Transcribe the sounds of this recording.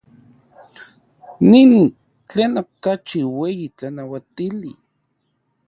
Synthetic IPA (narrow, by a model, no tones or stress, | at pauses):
nin | t͡ɬeːnokat͡ʃiwejit͡ɬanawat̪ili